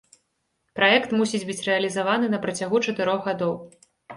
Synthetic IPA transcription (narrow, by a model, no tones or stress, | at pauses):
pɾajɛkt̪musʲid͡zʲbɨt͡sʲrɛɐlʲizavanɨnɐpɾɐt͡sʲaɣut͡ʂɐt̪ɨɾɔɣɣad̪ɔw